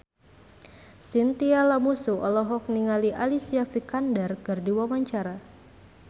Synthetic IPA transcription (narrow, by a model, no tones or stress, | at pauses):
sint̪ialamusuʔɔlɔɦɔk̚niŋaliʔalisiafikandərkɨrdiwamaɲt͡ʃaɾa